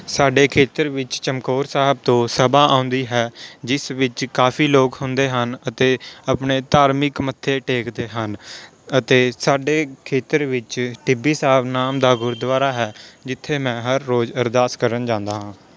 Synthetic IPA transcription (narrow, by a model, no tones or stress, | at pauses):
saːɖeːkʰeːt̪əɾʋɪt͡ʃt͡ʃəmkoːɾsaːɦəb̚t̪õːsəbaːʔãːʊ̃nd̪iːɦɛːd͡ʒɪsʋɪt͡ʃkaːpʰiːloːkhʊnd̪eːɦənət̪eːəpɳeːt̪aːɾmɪkmət̪ʰːeːʈeːkd̪eːɦən | ət̪eːsaːɖeːkʰeːt̪əɾʋɪt͡ʃʈɪbiːsaːɦəbnaːmd̪aːɡʊɾd̪ʋaːɾaːɦɛːd͡ʒɪt̪ʰːeːmɛ̃ːɦəɾːoːd͡ʒəɾd̪aːskəɾənd͡ʒãːnd̪aːɦãː